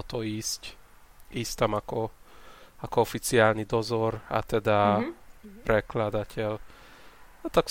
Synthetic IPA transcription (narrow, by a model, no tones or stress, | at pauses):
ot̪oiːsc | ist̪ɛmɑko | ɒkoofit̪siaːlnid̪ozora̰t̪ɛd̪a | brɛklad̪acʲʰɛl | at̪ɒk